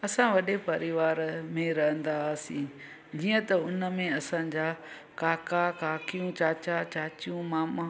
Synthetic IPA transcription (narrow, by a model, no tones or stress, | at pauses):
ɐsãʋɐɗepɐɾɪʋaːɾmẽɾɐɦə̃nd̪asĩː | d͡ʑiːə̃t̪ɐʊnəmẽɐsãːd͡ʑaː | kaːkakaːkijũt͡ɕaːt͡ɕat͡ɕaːt͡ɕijũmaːm